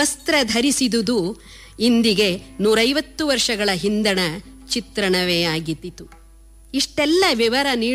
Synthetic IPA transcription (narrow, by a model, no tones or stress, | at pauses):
ɐst̪ɾɐd̪ʱɐɾisid̪ud̪u | ind̪iɡe̞nuːɾɐjʋɐt̪ːuʋɐɾʂɐɡɐɭɐɦind̪ɐɳɐt͡ʃit̪ɾɐɳɐʋeːaːɡit̪it̪u | iʂʈɛlːɐʋjiʋɐɾɐniː